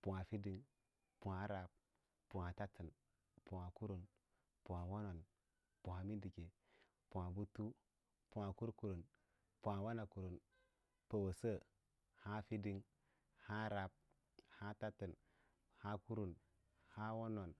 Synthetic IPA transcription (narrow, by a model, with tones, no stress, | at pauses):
pu˨wa˨fi˦di˨ŋ | pu˨ha˨ɾa˨p̚ | pu˨a˨ta˦ti˨n | pu˨wa˨ku˦ɾu˨n | pu˨a˨wo˦no˨n | pu˨ha˨mi˦di˨ke˨ | pu˨a˨bu˦tu˦ | pu˨wa˨ku˦ɾku˨ɾu˨n | pu˨a˨wa˦na˨ku˨ɾu˨n | pə˨wə˨sə˦ | ha˦fi˦di˦ŋ | ha˦ɾa˨p̚ | ha˦ta˦ti˨n | ha˦ku˦ɾu˨n | ha˦wo˦no˨n